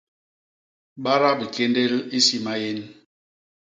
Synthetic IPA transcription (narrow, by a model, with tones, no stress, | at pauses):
ɓa˦ɾa˦bi˨ke˦nde˦li˦si˦ma˦je˦n